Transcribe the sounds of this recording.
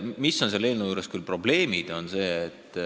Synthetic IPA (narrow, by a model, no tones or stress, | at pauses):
miso̞nselːeːlnejuːɾeskylpro̞ble̞ːmid̪̥o̞nse̞ːet̪ːˑ